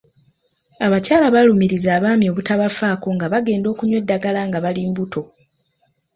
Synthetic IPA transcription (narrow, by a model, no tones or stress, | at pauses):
aβacaːlaβalumiɾizaːβaːmjo̞βutaβafaːko̞ŋɡaβaɡe̞ːndo̞ːkuɲwe̞dːaɡalaŋɡaβaliːmbutʰo̞